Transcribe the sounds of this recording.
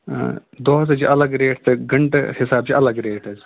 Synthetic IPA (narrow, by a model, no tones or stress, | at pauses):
d̪oːɦɐzɐt͡ʃiʔɐlɐɡɾeːʈt̪ɨɡɐɳʈhɪsaːb̚t͡ʃiʔɐlɐɡɾeːʈɐz